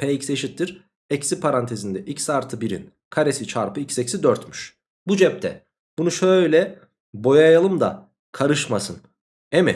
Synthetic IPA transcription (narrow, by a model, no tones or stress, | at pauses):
pʰɛːicse̞ʃit̪ːiɾ | ɛcsipʰaɾant̪ʰe̞zind̪ɛʔicsaɾt̪ʰɯbiɾḭn | kʰaɾesit͡ʃʰaɾpɯicsɛcsid̪øɾt̪myʃ | bud͡ʒɛp̚t̪ʰɛ̰ | bunuʃøjlʲɛ | bo̞jajalˠɯmd̪a̰ | kʰaɾɯʃmasɯn | emɛ